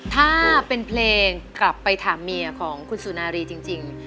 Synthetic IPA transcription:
t̪ʰaː˥˩pe˧npʰleː˧ŋkla˨˩pːa˧jt̪ʰaː˩˦mːi˧ɐkʰɔː˩˦ŋkʰu˧nsuː˩˦naː˧ɾiː˧t͡ɕi˧ŋt͡ɕi˧ŋ

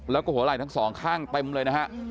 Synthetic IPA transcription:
lɛː˦˥wkɔː˥˩ɦu˩˦laː˨˩jt̪ʰa˦˥ŋsɔː˩˦ŋkʰaː˥˩ŋt̪e˧mlɤː˧jna˦˥kʰa˦˥ʔ

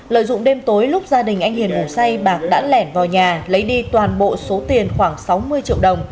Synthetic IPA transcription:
lə̰ː˧˨jzʊ̰˧˨ŋ͡mɗe˧mt̪o˨˦jlʊ˦˥k͡p̚zaː˧ɗï˨˩ŋ̟ʔa˧jŋ̟hi˨˩ənɣʊ˨˩ŋ͡msa˧jɓaː˨˩k̚ɗa̰ː˧˥nlɛ˧˩nvaː˨˩wɲaː˨˩lə˨˦jɗi˧t̪waː˨˩nɓo̰˧˨so˨˦t̪i˨˩ənxwaː˧˩ŋsa˨˦wmɨ˧əjt͡ɕḭ˧˨əwɗə˨˩wŋ͡m

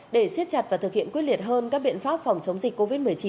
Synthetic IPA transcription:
ɗe˧˩si˦˥ət̚t͡ɕa˨˩t̚vaː˨˩t̪ʰɨ˨˩k̚hḭ˧˨ənkwi˦˥li˨˩ət̚ɦəː˧nkaː˦˥k̚ɓḭ˧˨nfaː˦˥p̚fa˨˩wŋ͡mt͡ɕə˨˦wŋ͡mzi˨˩k̟kːo˧vi˦˥t̚mɨ˨˩əjt͡ɕi˨˦

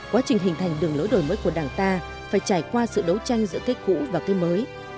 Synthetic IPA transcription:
kwaː˨˦t͡ɕï˨˩ŋ̟ɦï˨˩ŋ̟t̪ʰa˨˩jŋ̟ɗɨ˨˩əŋlo˨˦jɗo˨˩jməː˨˦jku˧˩əɗaː˧˩ŋt̪aː˧ | faː˧˩jt͡ɕaː˧˩jkwaː˧sɨ̰˧˨ɗə˨˦wt͡ɕa˧jŋ̟zɨ̰˧˥kaː˨˦j̚kṵ˧˥vaː˨˩kaː˨˦jməː˨˦j

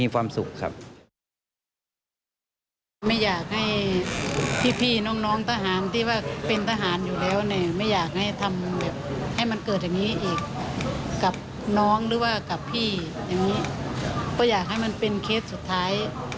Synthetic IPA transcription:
i˧kʰwaː˧msu˨˩kʰːa̰˦˧˥p̚ | ma˧˩˨jaː˨˩k̚ha˧˩j | pʰiː˧˩pʰiː˧˩nɔː˧˥˨ŋnɔː˧˥˨ŋt̪ʰa˧ɦaː˨˦nt̪ʰiː˧˩waː˧˩pe˧nt̪ʰaː˧ɦaː˨˦njuː˨˩lɛː˧˥˨wnɛː˧˩ma˧˥˩jaː˨˩k̚ha˧˥˩jt̪ʰa˧mbɛː˨˩p̚ha˧˥˩jma˧˥nkɤː˨˩t̪̚ja˨˩ŋniː˦˥ʔiː˨˩k̚ː | a˨˩p̚ | nɔː˦˥ŋlɯː˨˧˦waː˧˩ka˨˩pʰːiː˧˩ | ja˨˩ŋniː˦˥bɔː˧˦jaː˨˩k̚ha˥˩jma˧˥˨npe˧nkʰe˦˧˥t̪̚su˨˩t̪ʰːaː˦˥j

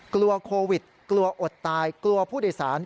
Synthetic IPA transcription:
klu˧ɐkʰoː˧wi˨˩t̪̚klu˧ɐʔo˨˩t̪ːaː˧jklu˧ɐpʰuː˥˩doː˨˩jsaː˩˦n

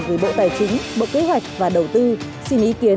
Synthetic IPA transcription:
və˨˧˩jɓo̰˧˨t̪aː˨˩jt͡ɕï˨˦ŋ̟ɓo̰˧˨ke˨˦ɦwa˨˩jk̟̚vaː˨˩ɗə˨˩wt̪ɨ˧ | si˧mʔi˨˦ki˨˦ə

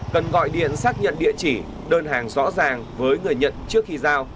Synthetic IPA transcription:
kə˨˩nɣɔ̰˧˨jɗḭ˧˨ənsaː˦˥k̚ɲə̰˧˨nɗḭ˧˨ət͡ɕi˧˩ | ɗəː˧nɦaː˨˩ŋzɔ̰˧˥zaː˨˩ŋvəː˨˦jŋɨ˨˩əjɲə̰˧˨nt͡ɕɨ˦˥ək̚xi˧zaː˧w

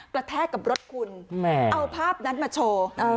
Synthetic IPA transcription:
pɾa˧t̪ʰɛː˥˩t̪̚ka˨˩p̚ɾo˦˥t̪̚kʰu˧nmɛʔa˧wpʰaː˥˩p̚na˦˥nmaː˧t͡ɕʰoː˧

